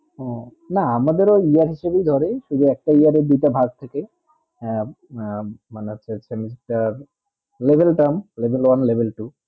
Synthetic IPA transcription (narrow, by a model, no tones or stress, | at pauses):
ɔ | naamad̪eɾɔiaɾɦiʃebejd̪ʱɔɾeʃud̪ʱuɛk̚ʈaiaɾed̪it̪abʱaɡ̚t̪ʰeke | manaːt͡ʃʰesʰemisʈaɾ | lebʱelʈəmlebʱelwanlebʱelʈu